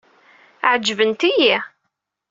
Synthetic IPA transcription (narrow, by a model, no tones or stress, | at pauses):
ʕd͡ʒːvənt̪iji